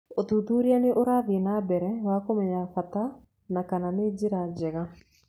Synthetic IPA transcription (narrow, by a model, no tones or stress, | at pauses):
ot̪ut̪uːɾianeʔoɾaːðenabɛɾɛwakomɛɲafat̪a | nakananed͡ʑeɾad͡ʒɛɣa